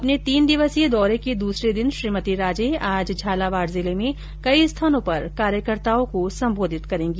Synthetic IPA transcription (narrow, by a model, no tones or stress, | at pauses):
ɐpnet̪iːnd̪ɪʋəsied̪ɔːɾeked̪uːsɾed̪ɪnʃɾiːmət̪iɾaːd͡ʒeaːd͡ʒd͡ʒʱaːlaʋaːɾzɪlemẽ | kɐist̪ʰaːnõpɐɾkaːɾjəkəɾt̪aːõkosɐ̃mboːd̪ʱɪt̪kɐɾẽːŋɡiː